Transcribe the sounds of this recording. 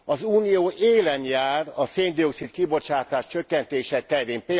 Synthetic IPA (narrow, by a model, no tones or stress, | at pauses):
ɒzuːnijoːʔeːlɛnjaːrɒseːnd̪io̞ksit̪kibo̞t͡ʃaːt̪aːʃt͡ʃøkːɛnt̪eːʃɛt̪ɛɾeːmpeː